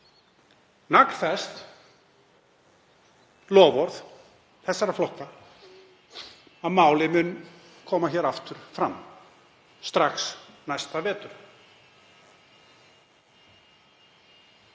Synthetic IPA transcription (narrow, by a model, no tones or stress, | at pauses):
nakn̥θɛst̪ | lɔːvɔɾθ | θɛsːaɾaflɔhka | aðmaːwlɪmʏn | kʰɔːmaçɛːɾaft̪ʏɾ̥fɾa̰mː | st̪ɾaxsnajst̪avɛːt̪ʏɾ̥